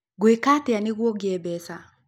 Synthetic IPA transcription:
ɡwekatɛaniɣwɔɡɛbɛsa

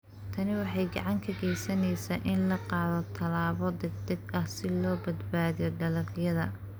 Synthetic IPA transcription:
t̪ʰɐnɪwɑħɑjɡɑ̰ʕɑŋkʰɐɣɛjsɐnɛjsaːʔɪnlɐqɑːðɔt̪ʰɐlaːβɔd̪ɛɡ̚d̪ɐɡɐhsɪlɔːbɐd̪baːðijɔɖɐlɐrjɐðɐ

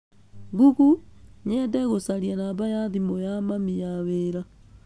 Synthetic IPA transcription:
ɡuɣuɲɛdɛɣosaɾianabajaðimojamamijaweɾa

